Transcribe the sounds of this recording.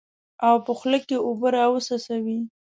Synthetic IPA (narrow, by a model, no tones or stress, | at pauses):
awpəxləkːeobəɾɑwəsasawi